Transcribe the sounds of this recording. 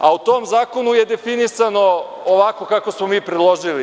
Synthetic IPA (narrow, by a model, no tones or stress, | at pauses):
a̰ut̪oːmzaːkonuje̞d̪efinisano̞ː | ʋako̞kakosmomiːpɾed̪lˠoʒili